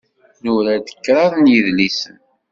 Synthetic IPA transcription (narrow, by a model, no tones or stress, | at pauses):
nuɾæd̪ə̥kːɾˤɑðˤnjəðlisən